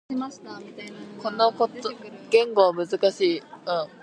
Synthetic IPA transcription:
aɕt̪aako̞nokotɡ̥ẽ̞ŋɡo̞βamɯ̟zɨkaɕiːɯ̟̃ɴ

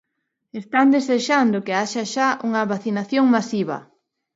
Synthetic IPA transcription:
est̪and̪eseʃand̪ʊkeaʃaʃaʔuŋɐβaθinaθjoŋmasiβɐ̰

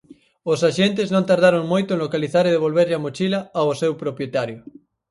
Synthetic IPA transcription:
osaʃent̪eznõnt̪aɾð̞aɾoŋmojt̪ʊẽnlokaliθaɾeð̞eβ̞olβeɾʎamot͡ʃilaːosewpɾopjet̪aɾjo

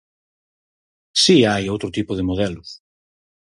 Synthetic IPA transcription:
siajowt̪ɾot̪ipʊð̞emoðɛlʊs

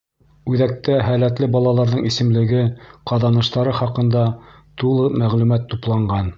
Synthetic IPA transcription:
ʉðæk̚t̪æɦælæt̪lɘbɑlˠɑlˠɑɾðɤɴisɘ̆mlɘ̆ɡɘqɑðɑnɤ̆ʃt̪ɑɾɤχɑqɤ̆nd̪ɑ | t̪ulˠɤmæʁlʉmæt̪ːuplˠɑɴɢɑn

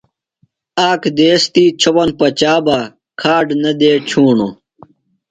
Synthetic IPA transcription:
aːkʰd̪eːst̪iːt͡ɕʰopɐnpɐt͡ɕaːba | kʰaːɖnɐd̪eːt͡ɕʰuːɳo

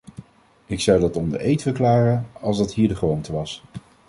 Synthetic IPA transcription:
ɪksʌwdɑtɔmdə̰ʔejtfəɹklaːrənɑlˠzdɑtɦiːɹdəχrowntəʋɑs

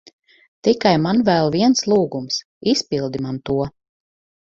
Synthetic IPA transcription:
t̪ikajmanvɛlˠviɛnslˠuːɡums | ispilˠd̪imant̪uɔ

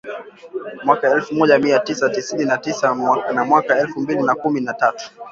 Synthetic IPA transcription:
mwakaɛlfumɔʄamiatisatisininatisanamwakaɛlfumbilinakuminatatu̥

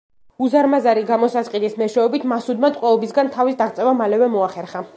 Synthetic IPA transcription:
uzaɾmazaɾiɡamɔsasqʼid̪ʼismɛʃɛɔbit̪ʰmasud̪mat̪ʼqʼwɛɔbisɡant̪ʰavisd̪aʁt̪sʼɛvamalɛvɛmɔaχɛɾχa

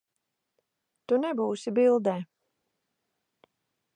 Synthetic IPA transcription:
t̪unɛbuːsibilˠd̪ɛː

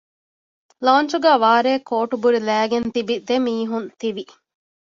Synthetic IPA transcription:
laːnt͡ʃuɡæːʋaːɾeːkoːʈubuɾilæːɡent̪ibid̪emiːɦunt̪iʋi

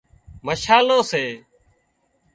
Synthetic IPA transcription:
məʃaːloːseː

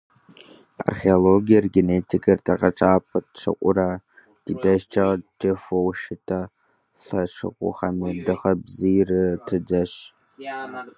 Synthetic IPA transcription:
a̰rχeoloɡʲijarɡʲenetʰikʼartʰʼaqʼaʈ͡ʂʼaːpʰatʂʰa̰qʷʼʊra | d̥itaʃt͡ʃʰad͡ʒefowʃɪtʰa | ɬaʂɨ̰qʷʼʊ̰χamadɨχabzirɨtʰɨd͡zaʃ

